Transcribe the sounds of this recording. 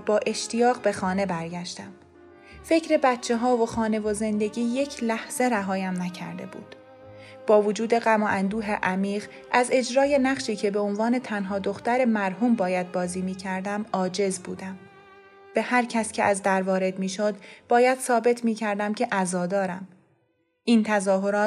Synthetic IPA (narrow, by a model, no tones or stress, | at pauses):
bɒːʔe̞ʃt̪ijɒːɣbe̞xɒːne̞bæɾɟæʃt̪æm | fe̞cʰɾe̞bæt̪t͡ʃʰːe̞ɦɒːvoxɒːne̞vo̞ze̞nd̪e̞ɟiːje̞cʰlæhz̥e̞ɾæɦɒːjæmnæcʰæ̰ɾd̪e̞̰bṵːd̪̥ | b̥ɒːvod͡ʒuːd̪e̞ɣæmɒːʔænd̪uːɦḛʔæmiːʁ | ʔæze̞d͡ʒɾɒːje̞næχʃiːcʰe̞be̞o̞nvɒːne̞t̪ʰænɦɒːd̪o̞xt̪æɾemæɾhuːmbɒːjæd̪̚bɒːziːmiːcʰæɾd̪æmɒːd͡ʒe̞zbuːd̪æm | b̥e̞hæɾcʰæscʰeʔæzd̪æɾvɒːɾe̞d̪miːʃod̪b̥ɒːjæd̪̥sɒːbe̞t̪ʰmiːcʰæɾd̪æmcʰe̞ʔæzɒːd̪ɒːɾæm | ʔiːnt̪ʰæzɒːɦo̞ɾɒː